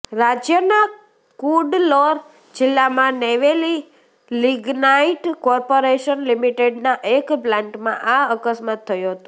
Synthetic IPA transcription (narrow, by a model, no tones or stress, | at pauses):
ɾad͡ʒjəna | kuɖloɾ | d͡ʒɪlːamãneʋeli | liɡnaiʈkɔɾpoɾeʃənlimiʈeɖnaʔekplãɳʈmã̰ʔaəkəsmat̪ʰːəjũɦət̪ũ